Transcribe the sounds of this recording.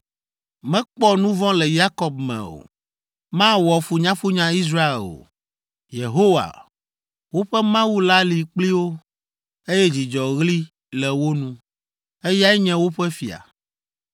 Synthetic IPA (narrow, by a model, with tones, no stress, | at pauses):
mɛ̃˦k͡pɔ˦nũ˦vɔ̃˦lɛ˨ja˦kɔ˨b̚mɛ̰̃˨o̰˨ | mã˦wɔ˨fu˨ɲã˦fu˦ɲã˦i˦s̬ɾa˦ḛ˨o̰˨ | jḛ˨ɦo˦wa̰˨ | wo˦ɸɛ˦mã˦wu˦la˦li˨k͡pli˦wo˦ | e˦jɛ˦d͡ʑi˨d͡ʒɔ˨ɣli˦ | lɛ˨wo˦nũ˦ | e˦ja˦ɛ˦ɲɛ̃˦wo˦ɸɛ˦fi˨a̰˨